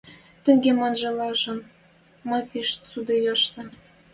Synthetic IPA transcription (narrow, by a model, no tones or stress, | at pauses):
t̪ə̆ŋɡemɑnʒɤ̆lɑʒɤ̆n | mɤ̆piʃt͡sud̪ejɑʃt̪ɤ̆n